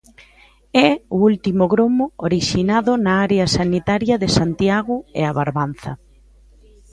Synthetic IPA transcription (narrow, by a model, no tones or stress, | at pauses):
ɛoult̪imoɣɾomooɾiʃinaðʊnaaɾeasanit̪aɾjɐðesant̪jaɣʊḛaβaɾβan̟θɐ